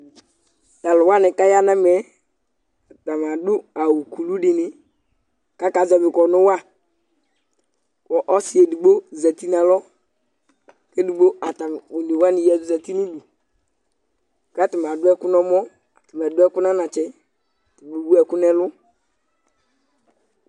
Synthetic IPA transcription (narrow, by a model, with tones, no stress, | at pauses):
ta˨lʊ˨wa˦nɪ˨ka˦ja˦na˦m˨ɛ˨˦ | a˨ta˨m˨a˨dʊ˦a˨wu˨ku˨lu˦dɪ˨nɪ˨ | ka˦ka˨zɛ˨bɪ˨kɔ˨nʊ˦wa˦˨ | kɔ˨ʔɔ˦sɪ˨˦e˨du˨ɡ͡bo˦zɛ˨ti˦na˨lɔ˦ | ke˦du˨ɡ͡bo˦a˨ta˨m˨o˨n˨i˨wa˦nɪ˨jɛ˦˨du˨zɛ˨ti˦nu˦bu˨ | ka˦tɪ˨m˨a˨dʊ˦ɛ˦kʊ˦nɔ˦mɔ˦ | a˨ti˨m˨ɛ˨dʊ˦ɛ˦kʊ˦na˦na˨t͡ʃɛ˦˨ | ti˨bo˨wu˦ɛ˦˨kʊ˦nɛ˦lʊ˦